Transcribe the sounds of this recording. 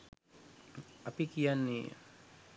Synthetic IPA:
apikijanːḭ

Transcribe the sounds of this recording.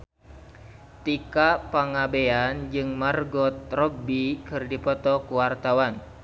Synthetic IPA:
t̪ikapaŋabeand͡ʒɨŋmarɡɔt̪rɔbikɨrdipɔt̪ɔkuwart̪awan

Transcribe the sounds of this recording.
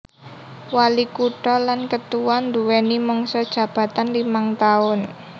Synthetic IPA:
walikuʈɔlankət̪uwand̪uwenimɔŋsɔd̥ʒ̥ä̤b̥ä̤t̪anlimaŋt̪aʊn

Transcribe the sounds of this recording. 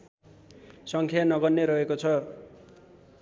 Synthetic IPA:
sʌŋkʰjanʌɡʌnnːeɾʌɦekot͡sʰʌ

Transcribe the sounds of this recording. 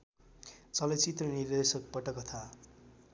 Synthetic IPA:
t͡sʌlʌt͡sit̪rʌnird̪esʌk̚pʌʈʌkʌt̪ʰa

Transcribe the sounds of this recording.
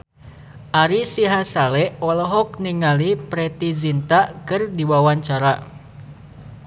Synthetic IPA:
ʔaɾisiɦasalɛʔɔlɔɦɔk̚niŋalipɾɛt̪izint̪akɨrdiwawaɲt͡ʃaɾa

